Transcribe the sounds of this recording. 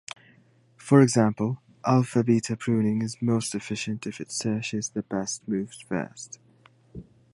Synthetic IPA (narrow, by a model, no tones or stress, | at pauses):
fəɹɪɡzãmpəlˠ | ʔalˠfəbiˑtʰəpʰɹ̥ʉːnɪ̃ŋɪzmoʊstɪfɪʃə̃ntʰɪfɪtsɜˑt͡ʃɪzðəbɛstmʉːvz̥fɜ̰ˑst